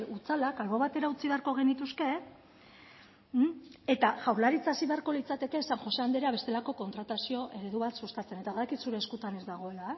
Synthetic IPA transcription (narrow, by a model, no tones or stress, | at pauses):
ut͡salakalβo̞βat̪e̞ɾaut͡siβe̞aɾko̞ɣ̞e̞nit̪uske̞ | et̪aʝawɾlaɾit͡sasiβe̞aɾko̞lit͡sat̪e̞ke̞saŋxo̞se̞and̪eɾeaβe̞st̪e̞lako̞ko̞nt̪ɾat̪asio̞ʔe̞ɾe̞ðuβat̪sust̪at͡se̞ne̞t̪aβaðakit̪suɾe̞ːskut̪ane̞zd̪aɣ̞o̞e̞lae